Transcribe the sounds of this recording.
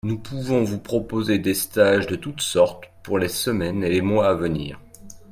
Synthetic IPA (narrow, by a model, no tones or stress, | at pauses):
nupʰuvɔ̃vupχɔpozed̪est̪aʒd̪ət̪ut̪sɔʁt̪puʁlesəmɛnelemwaːvənḭːʁ